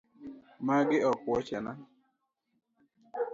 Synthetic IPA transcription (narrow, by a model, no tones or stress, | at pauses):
maɡɪɔkwɔt͡ʃɛna